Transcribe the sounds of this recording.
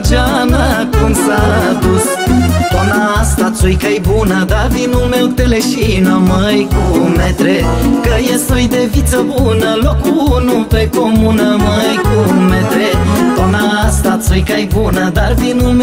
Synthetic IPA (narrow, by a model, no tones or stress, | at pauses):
d͡ʒanəkunsad̪us | t̪onast̪at̪sujkajbunəd̪arvinulmewt̪eleʃinaməjkumet̪ɾekəjesojd̪evit̪səbunəlokunupekomunəməjkumet̪ɾet̪onast̪at̪sujkajbunəd̪arvinulm